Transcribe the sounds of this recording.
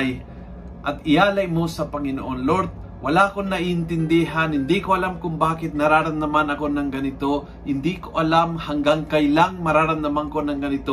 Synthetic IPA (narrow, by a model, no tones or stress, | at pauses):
j | ʔɐt̪ɪjaːlɐjmo̞sɐpɐŋɪnoʔonloɾd̪̚ | wɐlaʔkonːɐʔiʔɪnt̪ɪnd̪iɦɐnhɪnd̪ikoʔɐlamkʊŋbaːkɪt̪̚nɐɾaːɾɐmnɐmanɐko̞nɐŋɡɐnɪt̪o̞ | hɪnd̪ikoʔɐlamhɐŋɡaŋkɐjlaŋmɐɾaːɾɐmnɐmaŋko̞nɐŋɡɐnɪt̪o